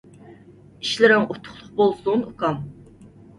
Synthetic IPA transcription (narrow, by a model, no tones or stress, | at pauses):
iʃlɪɾɪŋut̪ʰʊ̥χlˠʊχ̚bolˠsuŋukʰɑm